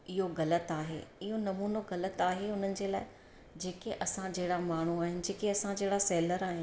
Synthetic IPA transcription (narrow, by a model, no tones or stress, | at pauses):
ɪɦoɣɐlət̪aːɦḛːɪɦonɐmuːnoɣɐlət̪aːɦeʊn̤ənɪ̆d͡ʑeːla̰ːɪ | d͡ʑeːkeʔɐsãd͡ʑɐɦɪɽamaːɳ̤uaːɦɪnɪ̆d͡ʑeːkeɐsãd͡ʑɐɦɪɽasɛːləɾaːɦɪnɪ